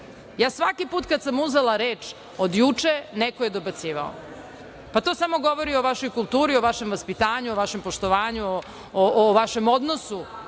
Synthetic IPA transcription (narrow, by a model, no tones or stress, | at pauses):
jaːsʋakipuːt̪kad̪samuzelˠaɾeːt͡ʃ | od̪jut͡ʂenekoje̞d̪obat̪siːʋao̰ | pat̪oːsamo̞ɡo̞ʋoɾioʋaʃo̞jkulˠt̪uːɾioʋaʃemʋaspit̪aːɲuoʋaʃempoʃt̪o̞ʋaːɲuo | ʔoʋaʃemod̪nosu